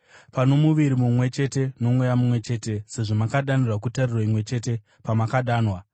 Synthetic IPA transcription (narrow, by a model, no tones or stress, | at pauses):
panomuʋiɾimumwe̞t͡ʃe̞te̞no̞mwejamumwe̞t͡ʃe̞ːte̞se̞ʐomakaɗanirwakutarirwaimwe̞t͡ʃe̞ːte̞ | pamakaɗaːnwa